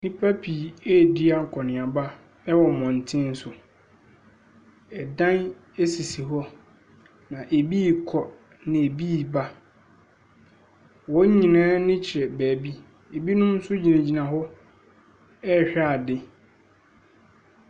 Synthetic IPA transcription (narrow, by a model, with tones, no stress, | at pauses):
nɪ̃˦pʰa˦pʰi˨ɛ˦di˦a˨ŋ̩˨kʰɔ˨nɪ̃˨a˨ba˦ | ɛ˦wɔ˨mɔ̃˨n̩˨tʰɪ̃˦n˦sʊ˨ | ɛ˨dã˦n | e˦si˨si˨ɦɔ˦ | nã˨ʔe˨bi˦kʰɔ˨ | nɪ̃˨e˨bi˦˨ba˦ | wɔ˦ɲĩ˨nãː˦nɪ̃˦t͡ɕʰɪ˨ɾɛ˨bæː˨bi˦ | e˨bi˦nʊ̃˦n̩˦sʊ˦d͡ʑi˨nã˨d͡ʑi˨nã˨ɦɔ˦ | ɛ˦˨ɕᶣa˦˨dɪ˦